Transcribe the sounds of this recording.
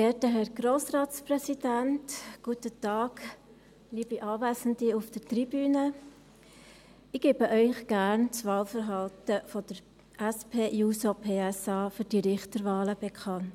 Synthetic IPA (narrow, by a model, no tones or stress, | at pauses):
ɛːtəɦɛɾɡ̥roːsrɑːtsprɛsidæntɡ̥uətətɑːɡ | liːbiʔɑːvæɪsən̩diufd̥əɾtribyːnə | ɪɡ̥eːb̥əʔœʏχɡ̥æːɾnt͡sʋɑːlfəɾɦɑltəfɔd̥əɾ | ʔæspʰeːjuːsopʰeːɛsɑːfyɾd̥iɾɪχtəɾvɑːləb̥ɛkʰɑnt